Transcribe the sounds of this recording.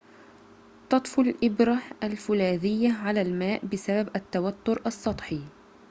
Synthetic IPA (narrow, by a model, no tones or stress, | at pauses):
t̪ˤɑt̪ˤfʊlʔɪbɾahalfʊlaːðɪjːaʕalaːlmaːʔbɪsababʔat̪ːawat̪ːʊɾʔɑsˤːɑt̪ˤħi